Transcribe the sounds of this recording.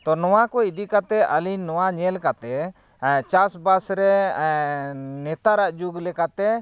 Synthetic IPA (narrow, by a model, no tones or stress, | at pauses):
t̪ɔnɔwakɔid̪ikat̪ɛʔaliɲːɔwaɲɛlkat̪ɛ | t͡ʃasbasɾɛ | nɛt̪aɾaʔd͡ʒuɡlɛkat̪ɛ